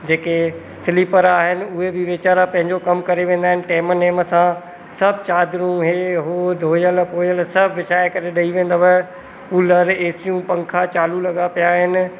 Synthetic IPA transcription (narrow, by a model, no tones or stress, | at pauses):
d͡ʑeːke | sɪlipəɾaːɦɪnɪ̆ʊɦebɪʋɪt͡ɕaːɾapɐ̃ɦɪ̃ɲd͡ʑokɐmkɐɾeʋẽːnd̪aːɦɪ̃nɪ̆ʈeːməneːməsã | sɐbʱt͡ɕaːd̪ɾũɦeːɦoːd̪ʱoːjəlpoːjəlsɐbʱʋɪʃaːekɐɾeɗɐiʋẽːn̆d̪aʋɐ | puːləɾeːsijũpɐ̃ŋkʰat͡ɕaːlulɐɠapijaɦɪnɪ̆